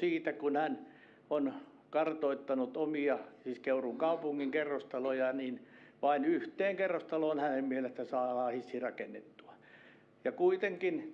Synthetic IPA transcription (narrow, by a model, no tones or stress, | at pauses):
siːt̪ækunhæn | on | kɑrt̪oit̪ːɑnut̪omiɑsiːskeuruŋkɑupuŋːiŋkerːost̪ɑlojɑniːnʋɑinyht̪eːŋkerːost̪ɑloːnhænemmielest̪æsɑːlɑːhisːirɑkenːḛt̪ːu̥ɑ̥ | jɑkuit̪eŋkin